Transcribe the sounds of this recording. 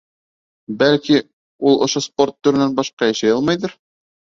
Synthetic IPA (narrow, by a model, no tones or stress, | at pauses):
bælki | ulˠŏʃospo̞rt̪ːɵɾɘ̆nænbɑʃqɑjæʃæjɑlˠmɑjðɤɾ